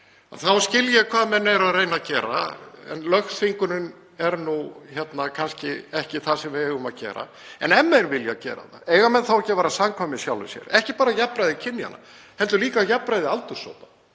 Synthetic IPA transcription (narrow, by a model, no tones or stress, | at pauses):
aθawscɪljakʰvaːðmɛnːɛɾaðrejnacɛːɾa̰ɛ̰nlœxsfiŋkʏnʏn | ɛɾnuçjɛt̪nakʰanscɪɛhcɪθasɛmvɪɛɣʏmaðcɛ̰ːɾa̰ | ɛ̰nɛmːɛnvɪlja̰cɛ̰ːɾa̰θa̰eːjɣamɛnθawɛhcɪvaːɾasamkʰvamɪsjawlʏ̰sjɛ̰ɾɛhcɪpaːɾajapːɾajðɪcʰɪnːja̰na̰ | hɛlt̪ʏɾliːkajapːɾajðɪalt̪ʏɾ̥so̰ːwp̪a